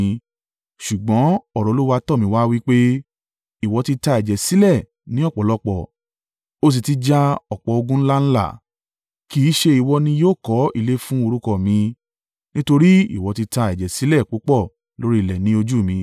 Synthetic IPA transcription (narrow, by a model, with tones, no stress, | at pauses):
ʃu˨ɡ͡bɔ̃˨˦ɔ˦˨ɾɔ˨˧lo˦wa˧tɔ˦˨mĩ˧wa˦wi˦k͡pe˦ | i˨wɔ˨˧ti˧ta˧ɛ˨d͡ʒɛ˨si˦lɛ˦˨ | nĩ˨˦ɔ˦˨k͡pɔ˨lɔ˧˦k͡pɔ˦˨ | o˦s̬i˧ti˧d͡ʒa˦ɔ˨k͡pɔ˨o˧ɡũ˦n̩˦la˦n̩˦la̰˦˨ | ki˨˦ʃe˧i˨wɔ˧nĩ˧joː˦˨kɔ˨˦ḭ˦˨le˦fũ˦o˧ɾu˦kɔ˧˨mĩ˧ | nĩ˦to˧ɾi˦ḭ˨wɔ˧ti˧ta˧ɛ˨d͡ʒɛ˨si˨˦lɛ˦˨k͡po˨˦k͡pɔ˦˨ | lo˦ɾi˦i˦˨lɛ˨nĩ˦o˧d͡ʒu˦˨mĩ˧